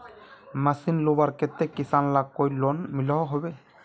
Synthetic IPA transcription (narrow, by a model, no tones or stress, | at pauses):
masinlobaɾket̪ːekisanlak̚kːojlɔnmilɔɦɔɦɔbe